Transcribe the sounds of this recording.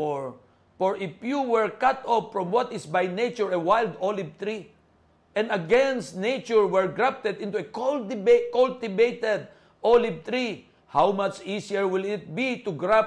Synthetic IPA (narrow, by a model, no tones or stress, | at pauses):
ɔɹ | fɔɹɪfjuwɛɹkat̪ɔpfɹɔ̃mwɔt̪ɪsbajnet͡ʃʊɹewajld̪ɔlɪb̚t̪ɹi | ʔɛ̃naɡɛ̃nst̪nejt͡ʃʊɹwɛɹɡɹap̚t̪ɛd̪ɪ̃nt̪ueklɪkɔlt̪ɪbeɪt̪ɛd̪ | ɔlɪb̚t̪ɹi | hawmat͡ʃisiəɹwɪlɪt̪̚bit̪uɡɹap